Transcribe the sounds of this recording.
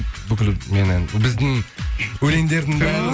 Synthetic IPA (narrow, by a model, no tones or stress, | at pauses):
bɪkʲɪlmenɪnbɪzd̪ɪŋɵle̞nd̪e̞ɾd̪ɪŋda